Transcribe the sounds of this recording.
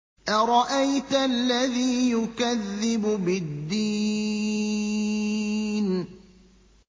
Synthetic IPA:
ʔaɾˤɑʔajt̪lːaðiːjʊkaðːɪbʊbɪd̪ːi | n

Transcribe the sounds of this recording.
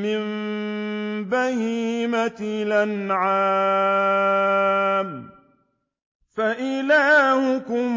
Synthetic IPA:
mɪm | bahiːmat̪ɪlanʕaː | m | faʔɪlaːhʊkʊm

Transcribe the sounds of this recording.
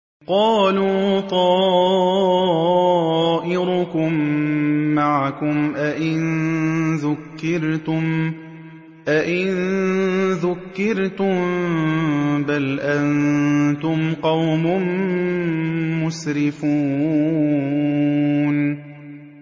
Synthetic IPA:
qɑːluːt̪ˤɑː | ʔɪɾʊkʊmː | aʕakʊmʔaʔɪnðʊkːɪɾt̪ʊm | ʔaʔɪn | ðʊkːɪɾt̪ʊm | balʔant̪ʊmqɑwmʊm | ʊsɾɪfuː | n

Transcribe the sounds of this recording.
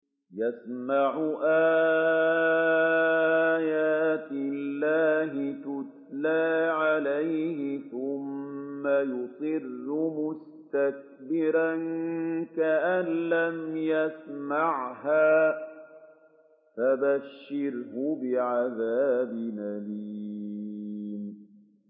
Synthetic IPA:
jasmaʕʊʔaː | jaːt̪ɪlːaːɦɪt̪ʊt̪̚laːʕalajhɪθʊmːajʊt̪ˤɨrːʊmʊs | t̪ak̚bɪɾankaʔanlamjasmaʕɦaː | fabaʃːɪɾhʊbɪʕaðaːbɪnabiː | n

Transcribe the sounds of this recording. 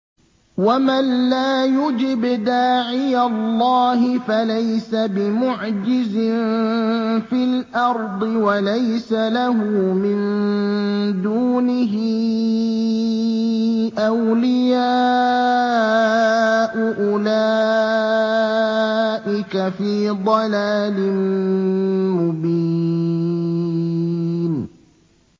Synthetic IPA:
wamanlaːjʊd͡ʒɪbd̪aːʕɪjalˤːɑːɦɪfalajsabɪmʊʕd͡ʒɪzɪn | filʔɑɾˤd̪ˤɨwalajsalaɦʊmɪn | d̪uːnɪɦɪ | ʔawlɪjaː | ʔʊʔʊlaː | ʔɪkafiːd̪ˤɑlaːlɪm | mʊbi | n

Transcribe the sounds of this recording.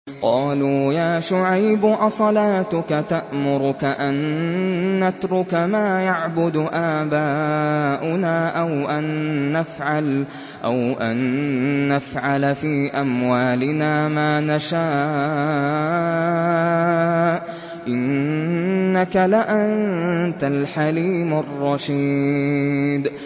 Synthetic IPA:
qɑːluːjaːʃʊʕajbʊʔɑsˤɑlaːt̪ʊkat̪aʔmʊɾʊkaʔanː | at̪ɾʊkamaːjaʕbʊd̪ʔaːbaːʔʊnaːʔawʔanːafʕal | ʔa̰wʔanː | afʕalafiːʔamwaːlɪnaːmaːnaʃaː | ʔɪnː | akalaʔannt̪alħaliːmʊrˤːɑʃi | d̪

